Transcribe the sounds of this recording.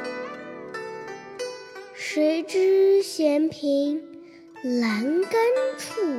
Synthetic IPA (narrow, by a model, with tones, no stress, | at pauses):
ʂwe˧˥ɪʈ͡ʂɻ̩˥ɕjɛ˧˥npʰi˧˥ŋ | la˧˥nka˥ntʰu˥˩